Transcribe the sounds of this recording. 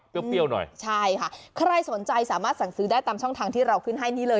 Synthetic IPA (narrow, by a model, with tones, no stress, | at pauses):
pi˥˩wpi˥˩əwnɔ̰˨˩jt͡ɕʰa˥˩jkʰa˥˩kʰɾa˧jso˨˩˦nt͡ɕa˧jsaː˨˩˦maː˥˩t̪̚sa˨˩˦ŋsɯː˩˦daː˥˩jt̪aː˧mt͡ɕʰɔ˥˩ŋt̪ʰaː˧ŋt̪ʰiː˥˩ɾa˧wkʰɯ˥˩nɦa˥˩jniː˦˥˩lɤː˧